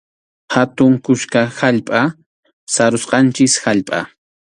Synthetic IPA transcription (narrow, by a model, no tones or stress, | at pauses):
hat̪ʊŋkʊʃkahaʎpʼa | saɾʊsqɑnt͡ʃɪshaʎpʼa̰